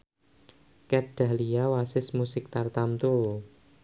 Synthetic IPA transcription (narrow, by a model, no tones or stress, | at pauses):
kɛɖ̥a̤hliawasɪsmusɪk̚t̪art̪amt̪ul